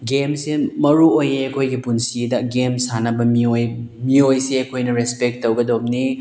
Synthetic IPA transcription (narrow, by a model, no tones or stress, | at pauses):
ɡemsimɐɾuojeɐkʰojɡipunsidɐɡemsanɐbɐmiojmiojsiɐkʰojnɐɾespek̚tːowɡɐdomni